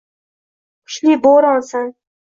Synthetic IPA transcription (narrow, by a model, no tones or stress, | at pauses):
qʰʊ̥ʃliboɾɒnsan